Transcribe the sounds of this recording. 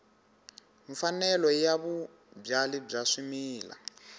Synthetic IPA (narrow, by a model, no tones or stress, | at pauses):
ɱfanɛlɔjaβu | b͡ʐalib͡ʐaʂimiːla̰